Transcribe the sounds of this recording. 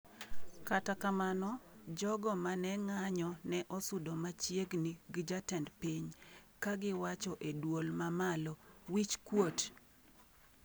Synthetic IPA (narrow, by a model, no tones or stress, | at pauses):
katakamanɔd͡ʒɔɡɔmanɛŋaɲɔnɛʔɔsʊdɔmat͡ʃjeɡniɡɪd͡ʒatɛndpiɲkaɡɪwat͡ʃɔʔedwolmamalɔwit͡ʃkwot